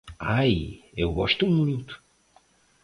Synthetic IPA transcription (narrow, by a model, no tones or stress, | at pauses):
ajewɡɔʃt̪uũminut̪ʊ̥